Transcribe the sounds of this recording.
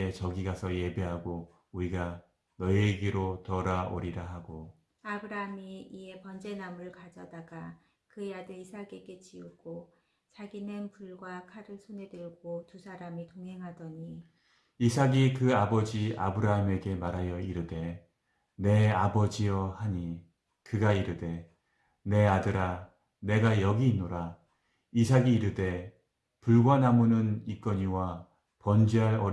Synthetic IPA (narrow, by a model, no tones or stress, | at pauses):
et͡ɕʌɡiɡasʰʌje̞be̞ɦaɡo | uɾiɡa | nʌieɡeɾotʌɾao̰ɾiɾaɦaɡo | abɯɾaamiːe̞pʌnd͡ʑe̞namɯɭkad͡ʑʌdaɡa | kɯjadɯɭisʰaɡe̞ɡe̞t͡ɕiuɡ̥o | t͡ɕaɡinenpuɭɡwakʰaɾɯɭsʰone̞dɯɭɡotusʰaɾamitoŋɦe̞ŋɦadʌɲi | isʰaɡikɯabʌd͡ʑia̰bɯɾaɦame̞ɡe̞maɾɦajʌiɾɯde̞ | ne̞abʌd͡ʑijʌhaɲi | kɯɡaiɾɯde̞ | ne̞adɯɾa | ne̞ɡajʌɡiːnːoɾa | isʰaɡiːɾɯde̞ | puɭɡwanamunɯnik͈ʌɲiwa | pʌnd͡ʑiɦaɾʌ